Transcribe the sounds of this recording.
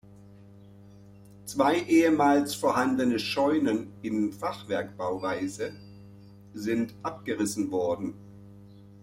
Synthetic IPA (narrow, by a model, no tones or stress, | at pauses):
t͡sv̥aɪʔeːəmaːlsfoːɐɦandənəʃɔʏnənɪnfaχv̥ɛɐkb̥aʊvaɪzə | zɪntʔapɡ̥əʁɪsn̩vɔɐdn̩